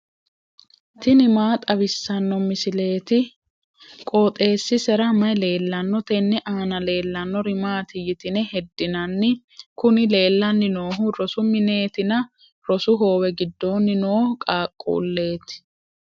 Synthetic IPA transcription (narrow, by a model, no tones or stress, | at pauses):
t̪ɪnɪmaːt̪ʼɐβɪsːɐnːɔmɪsɪle̞ːt̪ɪ | kʼoːt̪ʼe̞ːsːɪsɛɾɐmɐjle̞ːlːɐnːɔt̪ɛnːɛʔaːnɐle̞ːlːɐnːɔɾɪmaːt̪ɪjɪt̪ɪnɛhɛd̪ːɪnɐnːɪ | kʊnɪle̞ːlːɐnːɪno̞ːɦʊɾɔsʊmɪne̞ːt̪ɪnɐ | ɾɔsʊɦo̞ːwɛɡɪd̪ːo̞ːnːɪnoːhkʼaːkʼːṵːlːe̞ːt̪ɪ̥